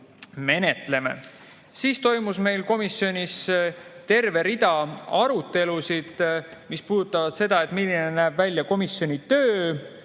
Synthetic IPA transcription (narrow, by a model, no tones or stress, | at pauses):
me̞ne̞t̪ˑle̞me̞̰ | siːst̪o̞jmusme̞jlko̞misjo̞nʲist̪e̞rve̞ɾid̪̥ɑɑɾut̪ːˑe̞lusid̪̥mispuːd̪ut̪ːˑɑvɑd̪̥se̞d̪ɑe̞t̪ːˑmilːinenæːb̥vælʲːjɑko̞misːjo̞nʲit̪øː